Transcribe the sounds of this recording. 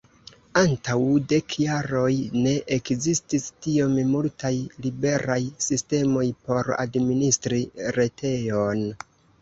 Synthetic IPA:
antawde̞kʰjaɾo̞jne̞ʔekzististiommultʰajlibe̞ɾajsiste̞mo̞jpo̞ɾa̰dministɾiɾe̞tʰe̞jon

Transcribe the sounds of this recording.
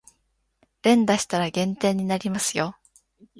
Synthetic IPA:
ɾẽ̞nd̪aɕi̥t̪aɾaɡẽ̞nt̪e̞ːɲ̟ːinaɾʲimasɨjo̞

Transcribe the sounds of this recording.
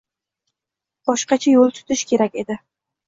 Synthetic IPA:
b̥ɒʃqɑt͡ʃʰajolˠt̪ʰʊ̥t̪ʰɪʃkʲʰe̞ɾakʲe̞d̪ɪ

